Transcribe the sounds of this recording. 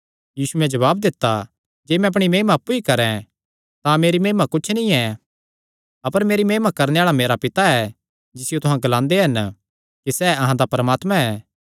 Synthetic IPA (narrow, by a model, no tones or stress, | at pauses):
jiːsumɛ̃d͡ʒɐβaːb̚d̪ɪt̪ːa | d͡ʒeːmɛ̃ɐpɽ̃imeːmaɐpːuikɐɾɛ̃ | t̪ãmeːɾimeːmakʊt͡ʃʰnĩɛ | ɐpəɾmeːɾimeːmakɐɾneaːɭameːɾapɪt̪aɛ | d͡ʒɪsɪjot̪ʊɦãɡɐlãːnd̪eɦɐn | kisɛːɐɦãd̪apɾəmaːt̪mãɛː